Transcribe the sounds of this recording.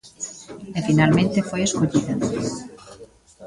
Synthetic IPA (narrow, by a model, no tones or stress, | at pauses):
efinalmẽnt̪efojeskoʎiðɐ